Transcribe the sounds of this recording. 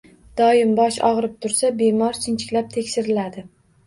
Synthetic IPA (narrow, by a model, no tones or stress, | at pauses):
d̪̥ɒjɪmbɒʃɒ̰ʁɨɾɪp̚t̪ʰʊɾsabe̞mɒɾt͡ʃʰɪnt͡ʃʰɪ̥kʲlap̚t̪ʰe̞kʲʃɪɾɪlad̪ɪ